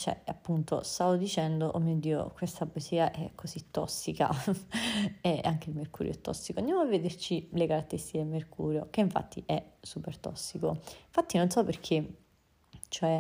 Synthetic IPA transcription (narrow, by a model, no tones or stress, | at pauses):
t͡ʃɛ̰a̰pːunt̪ost̪avod̪it͡ʃɛnd̪oʔomːiod̪ːiːo̰kwest̪abosiːaʔɛkʰːozit̪ːɔsːika̰ | ɛaŋk̟eilmerkuːɾjo̰ɛt̪ːɔ̰sːikoand̪jamoavːed̪ert͡ʃilekaɾat̪ːeɾist̪iked̪elmerkʰṵːɾjokeiɱfa̰t̪ːiʔɛsupert̪ɔ̰sːikoiɱfat̪ːinonsɔpːerk̟ʰe | t͡ʃoɛ